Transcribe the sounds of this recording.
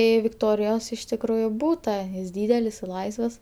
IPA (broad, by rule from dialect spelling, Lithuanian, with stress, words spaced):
ˈiː ʋʲɪktoːrʲɪjoːs ɪʃ tʲɪkˈruːjʊ ˈbuːtɐ jɪs ˈdʲiːdʲɛlʲɪs ɪr ˈlˠɐɪsʋɐs